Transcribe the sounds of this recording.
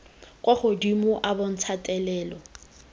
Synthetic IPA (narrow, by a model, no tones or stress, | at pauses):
kʼwaχʊdimʊʔabɔn̩t͡sʰatʼɛlɛːlɔ